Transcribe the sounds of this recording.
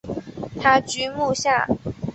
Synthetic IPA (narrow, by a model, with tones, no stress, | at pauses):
t̪ʰa˥t͡ɕy˥mu˥˧ɕja˥˩